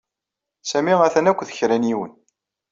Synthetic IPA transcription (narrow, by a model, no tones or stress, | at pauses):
sæmiʁæθænækʷːθə̥çɾæniwə̰n